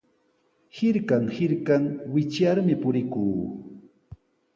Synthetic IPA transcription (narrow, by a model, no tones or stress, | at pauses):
hɪɾkaŋhɪɾkaŋwɪt͡ʃjaɾmɪpʊɾɪkuː